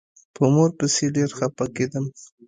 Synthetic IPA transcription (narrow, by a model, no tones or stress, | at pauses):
pəmoɾpəseɖeɾxapaked̪əm